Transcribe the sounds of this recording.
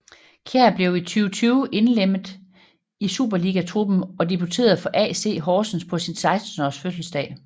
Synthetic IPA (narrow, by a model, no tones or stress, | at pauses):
kʰeɐb̥le̝ʊit͡sʰyːʊət͡sʰyːʊʔe̝nlem̰ð̩ˠ | isṵːb̥ɐliɡ̥æt͡sʰʁub̥m̩ɒ̽d̥ib̥ʰut͡sʰe̝̰ːɐðˠfɒ̽ʔɛ̰ːse̝̰ːɦɒːsn̩spʰɒ̽sinsɑ̈ɪsd̥n̩ɒsføsl̩sd̥ɛ̰ː